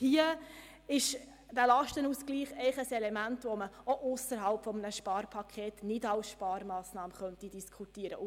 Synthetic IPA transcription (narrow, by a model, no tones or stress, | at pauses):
hiə | ɪʃ | d̥ælɑʃtənusɡ̥liːχɛɪχəsɛlɛmæntʋoməoʔʊsəɾɦɑlpfɔmənəʃpɑːɾpʰɑkʰχeːtnɪdɑlsʃpɑːɾmɑːsnɑːməχœnt̪id̥iskʰutiəɾə̰